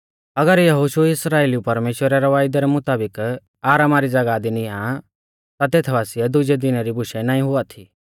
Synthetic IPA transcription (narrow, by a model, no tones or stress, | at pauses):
ɐɡəɾjɐɦoʃuɪsɾaːeːlijupɐɾmeːʃwəɾɛɾɐʋaːjd̪ɛɾɛmʊt̪aːbɪk | aːɾamaɾid͡zɐɡaːd̪iniã | t̪at̪eːt̪ʰʋaːsɪjɛd̪ʊd͡ʒɛd̪ɪnaɾibʊʃɛnaːĩɦʊat̪ʰi